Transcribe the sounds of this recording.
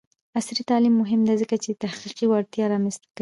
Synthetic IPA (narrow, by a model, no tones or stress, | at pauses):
asɾit̪ɑlimːʊɦɪmd̪azəkat͡ʃet̪ahqiqiwaɽt̪jɑɾɑmanst̪ak